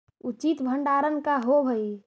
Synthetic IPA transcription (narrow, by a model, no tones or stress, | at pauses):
ut͡ʃit̪bʱəɳɖaɾənkaɦobʱəi